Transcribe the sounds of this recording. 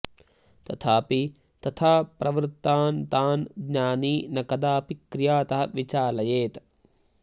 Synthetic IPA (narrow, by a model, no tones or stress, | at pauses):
t̪ɐt̪ʰaːpi | t̪ɐt̪ʰaːpɾʔɐʋɾt̪ːaːnt̪aːnɡnɲaːniːnɐkɐd̪aːpikɾijaːt̪ɐɦɐʋit͡ʃaːlɐjeːt̪